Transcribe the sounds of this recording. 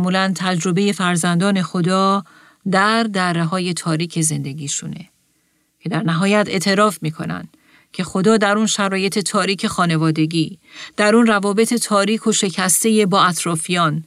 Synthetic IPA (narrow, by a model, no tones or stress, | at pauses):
muːlænt̪ʰæd͡ʒɾo̞be̞je̞fæɾzænd̪ɒːne̞xo̞d̪ɒː | d̪æɾd̪ærːeɦɒːje̞t̪ʰɒːɾiːcʰe̞ze̞nd̪e̞ɡʲiːʃune̞̰ | cʰe̞d̪æɾnæɦɒːjæt̪ʰe̞̰ʔt̪ʰe̞ɾɒːfmiːkʰo̞̰næ̰nd̪̥ | cʰe̞xo̞d̪ɒːd̪æɾunʃæɾɒːje̞t̪ʰe̞t̪ʰɒːɾiːcʰe̞xɒːne̞vɒːd̪e̞ɟiːd̪̥æɾunrævɒːbe̞t̪ʰe̞t̪ʰɒːɾiːkʰo̞ʃe̞cʰæst̪e̞je̞bɒːæt̪ʰɾɒːfijɒːn